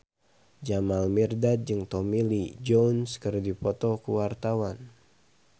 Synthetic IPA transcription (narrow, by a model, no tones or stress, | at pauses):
d͡ʒamalmirdat̪̚d͡ʒɨŋt̪ɔmilid͡ʒɔnskərdipɔt̪ɔkuwart̪awan